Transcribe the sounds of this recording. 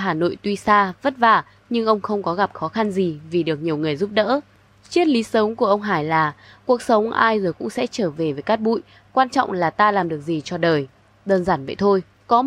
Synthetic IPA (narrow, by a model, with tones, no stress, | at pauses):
ɦaː˨˩no̰˧˨jt̪wi˧saː˧və˦˥t̚vaː˧˩ | ɲɨ˧ŋʔə˧wŋ͡mxə˧wŋ͡mkɔ˨˦ɣa˨˩p̚xɔ˨˦xa˧nzi˨˩vi˨˩ɗɨ˨˩ək̚ɲi˨˩əwŋɨ˨˩əjzu˦˥p̚ɗə̰ː˧˥ | t͡ɕi˦˥ət̚li˨˦sə˨˦wŋ͡mku˧˩əʔə˧wŋ͡mɦaː˧˩jlaː˨˩ | ku˨˩ək̚sə˨˦wŋ͡mʔaː˧jzoː˨˩jkʊ̰˧˥ŋ͡msɛ̰˧˥t͡ɕəː˧˩ve˨˩vəː˨˦jkaː˦˥k̚ɓṵ˧˨j | kwaː˧nt͡ɕɔ̰˧˨wŋ͡mlaː˨˩t̪aː˧laː˨˩mɗɨ˨˩ək̚zi˨˩t͡ɕɔ˧˩ɗəː˨˩j | ɗəː˧nzaː˧˩nvə̰˧˨jt̪ʰo˧j | kɔ˨˦